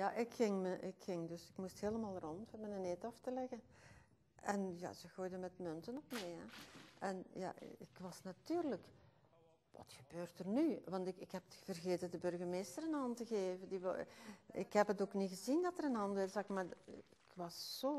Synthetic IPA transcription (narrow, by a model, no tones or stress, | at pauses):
jaʔɪkxɪŋməʔɪkxɪŋdɵsɪkmustɦeːləmaːlˠrɔnthɛbənənetɑftəlɛɣən | ʔɛnja̰ːz̥əɣoːjdənmɛtmɵntənɔpmɛjɦɛ̰ʔɛnja̰ɪkʋɑsnatyːrlək | ʋɑ̰txə̥bøːrtərnyʋɑntɪkɪkɦɛpətxəv̥ərɣeːtəndəbɵrɣərmeːstəɾənɦɑntəɣeːvəndi | ɪ̰kɦɛpətoːkniɣəzindɑtəɾənɦɑndʋɛzɑkmaːrɪkʋɑsːoː